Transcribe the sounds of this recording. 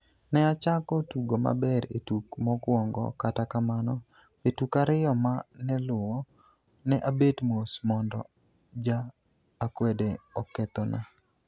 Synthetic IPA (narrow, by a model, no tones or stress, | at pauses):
nɛat͡ʃakɔtuɡoma̰bɛɾetukmɔkwɔŋɡɔ̰katakamanɔ | etukaɾɪjɔmanɛlʊwɔ | nɛʔabetmosmɔndɔ | d͡ʒaː | kwɛdeɔkːɛt̪ɔnʔa̰